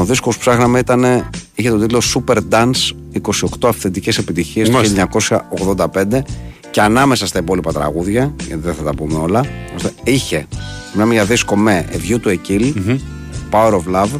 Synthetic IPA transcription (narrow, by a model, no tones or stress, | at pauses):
oðiskospsɐxnɐmeit̪ɐne̞içe̞t̪o̞t̪it̪losupe̞ɾd̪ɐns | iko̞sio̞kt̪o̞ɐfθend̪ice̞se̞pit̪içiesoiɐɲɐko̞sçɐoɣðo̞nd̪ɐpe̞nd̪e̞ | ce̞ɐnɐme̞sɐst̪ɐipo̞lipɐt̪ɾɐ̰ɣuðʝɐʝɐ̰t̪iðeθɐt̪ɐpumeo̞lɐo̞st̪eiçe̞simnɐmeʝɐðisko̞meʔḛðʝut̪ue̞cil | pɐoɾovlɐv